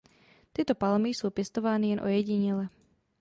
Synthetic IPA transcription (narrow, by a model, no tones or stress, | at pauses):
t̪ɪɛt̪ɔpalmisuːpjɛst̪ɔʋaːnijɛnʔɔ̰jɛɟiɲɛlɛ